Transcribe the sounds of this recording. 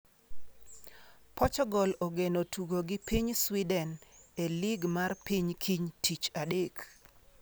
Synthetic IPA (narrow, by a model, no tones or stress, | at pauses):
pɔt͡ʃɔɡɔlɔɡenotʰuɡoɡɪpiɲswidɛneliɡmarpiɲkʰiɲtit͡ʃadek